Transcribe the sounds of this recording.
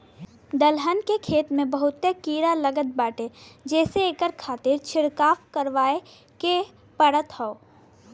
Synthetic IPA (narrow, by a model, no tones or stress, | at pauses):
d̪əlɦənkekʰeːt̪mẽbəɦʊt̪ːekiːɾaləɡət̪̚baːʈed͡ʒɛːseeːkəɾkʰaːt̪ɪɾt͡ʃʰɪɾkaːfkəɾʋaːe | ke | pəɽət̪hɔo